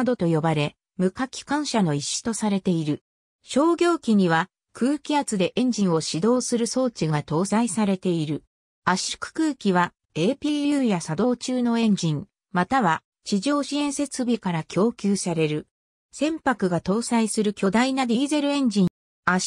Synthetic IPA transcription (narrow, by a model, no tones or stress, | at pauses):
d̪o̞t̪o̞jo̞baɾe̞ | mɯ̟kakʲi̥kãɰ̃ɕano̞iɕːi̥t̪o̞saɾe̞t̪e̞iɾɯ̟ | ɕo̞ːɡʲo̞ːkʲiɲ̟iβ̞a | kʰɯ̟ːkʲiat͡sɨd̪e̞ʔẽ̞ɲ̟d͡ʑĩɰ̃o̞ɕid̪o̞ːsɨɾɯ̟so̞ːt͡ɕiɡat̪o̞ːsaisaɾe̞t̪e̞iɾɯ̟ | aɕi̥kɯ̟̥kɯːkʲiβa | e̞ːpʲiːjɯːjasad̪o̞ːt͡ɕɨːno̞ẽ̞ɲ̟d͡ʑĩŋ | mat̪aβa | t͡ɕiʑo̞ːɕiẽ̞ɰ̃se̞t͡sɨbʲikaɾakʲo̞ːkʲɨːsaɾe̞ɾɯ̟ | sẽ̞mpakɯ̟ɡat̪o̞ːsaisɨɾɯ̟kʲo̞d̪ainaɾʲiːze̞ɾɯ̟ẽ̞ɲ̟d͡ʑĩ | a